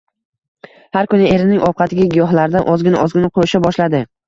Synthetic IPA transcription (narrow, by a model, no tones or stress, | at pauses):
haɾkʊnɪe̞ɾɪnɪŋʔɒw̚qʰɑt̪ʰɪɡʲaɡʲɪjɒɦlaɾɪd̪anʔɒzɡʲɪna̰ʔɒzɡʲɪnɪqʰojɪʃabɒʃlad̪ɪ